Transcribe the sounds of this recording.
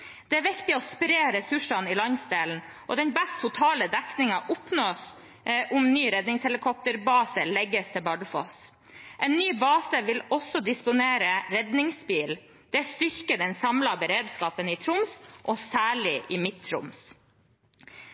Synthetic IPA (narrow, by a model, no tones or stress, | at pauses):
d̪ɛæːʋɪkt̪ɪɔspɾeːɾɛsʉʂɑnɪlɑɲsd̪eːln̩ | ʔɔ̰d̪ɛnbɛst̪ʰːʊt̪ʰɑːləd̪ɛknɪŋɑʔʊpnoːs | ʔʊmnyːɾɛd̪nɪŋshɛlɪkʰɔp̚t̪əɾbɑːsəlɛɡəst̪ʰɛlbɑɖfo̰s | ʔɛːnːyːbɑːsəʋɪlɔsɔd̪ɪspʊneːɾəɾɛd̪nɪŋsbiːl | d̪̥ɛst̪ʏɾkəd̪ɛnsɑmlɑbəɾeːd̪skɑːpənɪt̪ʰɾʊmsʔɔsæːɭɪʔɪmɪt̪ʰːɾʊ̰ms